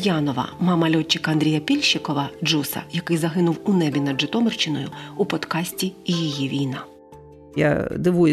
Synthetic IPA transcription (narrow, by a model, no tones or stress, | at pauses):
jɑnɔʋɐ̰mɑmɐlʲɔt͡ʃːɪkɐɐnd̪ʲɾʲijɐpʲilʲʃɪkɔʋɐd͡ʒusɐ̰jɐkɪjzɐɦɪnʊwunɛbʲinɐd̪ʒɪt̪ɔmɪrt͡ʃɪnɔjʊ̰upɔt̪kɑsʲtʲijijiʋʲijnɑ | ja̰d̪ɪʋu